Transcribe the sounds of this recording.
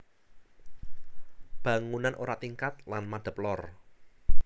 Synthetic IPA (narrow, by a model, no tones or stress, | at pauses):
b̥ä̤ŋunanʔoɾat̪iŋkat̪̚lanmad̪̥ə̤plɔr